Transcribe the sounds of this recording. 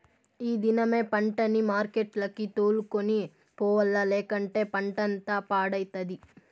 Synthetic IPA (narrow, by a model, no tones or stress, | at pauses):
iːd̪inɐme̞ːpɐɳʈɐnimaːɾkeʈlɐkit̪oːlukoni | pɔːʋɐlːɐlɛːkɐɳʈe̞ːpɐɳʈɐnt̪aːpaːɽɐjt̪ɐd̪i